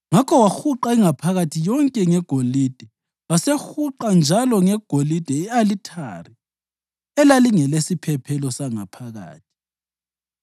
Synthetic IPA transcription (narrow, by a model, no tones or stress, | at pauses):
ŋakʰɔwaxuǃaiŋapʰaɣatʰijɔŋkʼɛŋɛɡ̥ʱolid̥ʱɛ | wasexuǃand͡ʒʱalɔŋɛɡ̥ʱolid̥ʱɛialitʰa̰ri | ɛlaliŋɛlesipʰɛpʰɛlɔsaŋa̰pʰaɣa̰ːt̚ʰi̥